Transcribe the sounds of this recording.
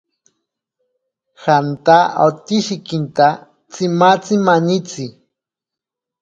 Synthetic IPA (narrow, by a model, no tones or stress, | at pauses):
xant̪aat̪iʃikint̪a | t͡simat͡simaɲit͡si